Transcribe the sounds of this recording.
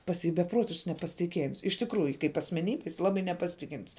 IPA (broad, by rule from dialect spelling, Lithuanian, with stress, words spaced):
pɐs ˈjiː bʲɛˈproːtʲɪʃks nʲɛpɐsʲɪtʲɪˈkʲiɛjɪms ɪʃ tʲɪkˈruːjʊ kɐɪp ɐsʲmʲɛˈnʲiːbʲɛ jɪs ˈlˠɑːbɐɪ nʲɛpɐˈsʲɪtʲɪkʲɪnʲtʲs